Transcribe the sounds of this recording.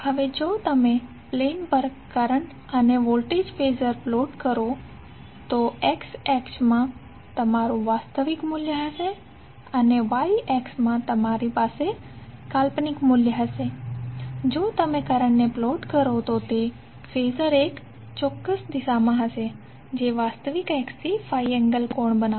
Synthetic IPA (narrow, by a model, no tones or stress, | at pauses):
həʋed͡ʒot̪əme | plenpəɾɡkəɾəɳʈ | əneʋolʈed͡ʒfezəɾploʈkəɾo | t̪oeksɛksmã | t̪əmaɾũʋast̪əʋikmuljəɦəʃe | əneʋaiɛksmãt̪əmaɾipase | kalpnikmuljəɦəʃe | d͡ʒot̪əmekəɾəɳneploʈkəɾot̪ot̪e | fezəɾek | t͡ʃɔkːəsd̪iʃamãɦəʃe | d͡ʒeʋast̪əʋikɛkst̪ʰifajɛŋɡəlkoɳbəna